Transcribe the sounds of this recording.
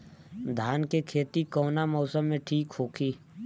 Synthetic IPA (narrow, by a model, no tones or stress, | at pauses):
d̪ʱaːnkekʰeːt̪ikɔːnamɔːsəmːẽʈʰiːkɦoːkʰiː